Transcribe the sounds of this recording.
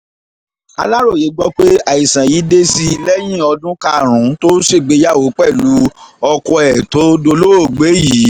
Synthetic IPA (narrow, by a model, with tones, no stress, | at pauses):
a̰˧la˦ɾo˦˨je˨˦ɡ͡bɔ˦k͡pe˦a˦˨i˨sã˨ji˨˦de˦si˦i˧lɛ˦j̃ĩ˦˨ɔ˧dũ˦ka˦˨ɾ̃ũ˨˦to˦se˦˨ɡ͡be˨˧˦ja˦˨wo˨˦k͡pɛ˦˨lu˨˦ɔ˧kɔ˧ɛ˨to˨˦do˧lo˦o˦˨ɡ͡be˨˦ji˨˦